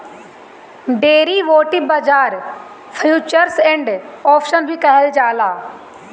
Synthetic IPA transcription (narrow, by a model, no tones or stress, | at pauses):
ɖeːɾiʋoːʈibɐd͡ʒaːɾ | pʰjuːt͡ʃəɾsẽɳɖɔːpʰʃənbʱikɐɦəld͡ʒaːlaː